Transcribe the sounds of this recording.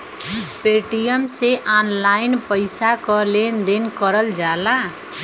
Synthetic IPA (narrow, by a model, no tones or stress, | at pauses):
peʈijəmseʔanlaɪnpəɪsakɔlend̪enkəɾəld͡ʒala